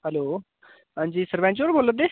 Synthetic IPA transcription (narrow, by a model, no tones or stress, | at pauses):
ɦɛloː | ɦãːɲd͡ʒiːsəɾʋɛ̃ːnt͡ʃoːɾboːləd̪eː